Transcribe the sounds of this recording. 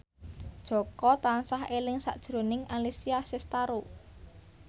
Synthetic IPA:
d̥ʒ̥ɔ̤kɔt̪ansahelɪŋsa̰ʔd̥ʒ̥ɾo̤nɪŋalisiasɪst̪aɾo

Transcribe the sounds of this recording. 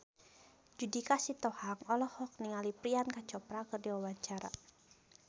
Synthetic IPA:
d͡ʒudikasit̪ɔhaŋɔlɔhɔk̚niŋalipɾiankat͡ʃɔpɾakɨrdiwawaɲt͡ʃaɾa̰

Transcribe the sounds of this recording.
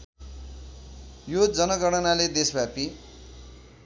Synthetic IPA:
jod͡zʌnʌɡʌɽ̃ʌnaled̪esbʱapi

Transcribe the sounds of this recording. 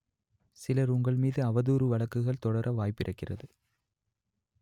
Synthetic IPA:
sɪlɐɾʊŋɡɐɭmiːðɯɐʋɐðuːɾɯʋɐɭɐkːɯɣɐɭt̪ɔɽɐɾʔɐʋaːjpːɪrʔɐkːɪrɐ̰ðɯ

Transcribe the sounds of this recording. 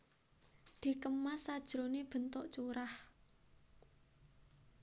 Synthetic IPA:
d̪̥i̤kəmasad̥ʒ̥ɾoneb̥ə̤nt̪ɔʔt͡ʃuɾah

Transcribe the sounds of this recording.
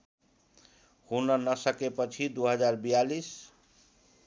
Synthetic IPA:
hunənəsəkepət͡ʃʰid̪uɦəd͡ʒaɾbijalis

